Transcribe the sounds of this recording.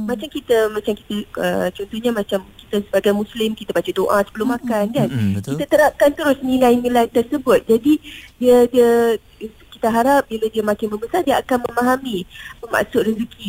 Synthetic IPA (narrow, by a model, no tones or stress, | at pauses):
mat͡ʃamkit̪amãt͡ʃamki̥t̪aə̰t͡ʃɔnt̪ɔhɲamat͡ʃamkit̪asəbaɡajmuslɪmkit̪abat͡ʃadoʔasə̥bəlʊmakankankit̪at̪əɾap̚kant̪əɾʊsnilajnilajt̪ərsəbʊt̪̚d͡ʒadidiədiə | kit̪aɦaɾap̚biladiəmãkɪnməmbəsardiəakanməmaɦamĩpəma̰ʔsʊt̪rəzəkʰi